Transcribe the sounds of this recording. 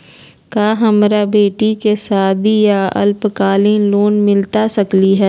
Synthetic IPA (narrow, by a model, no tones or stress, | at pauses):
kaːɦɐmɾabeːʈikesaːd̪ijaɐ̰lpkaːliːnloːnmɪlt̪asɐkliɦɛː